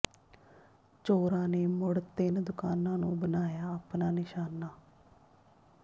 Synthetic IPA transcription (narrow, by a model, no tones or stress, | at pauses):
t͡ʃoːɾãːneːmʊɽt̪ɪnd̪ʊkaːnãːnũːbənaːjaːapnaːnɪʃaːnaː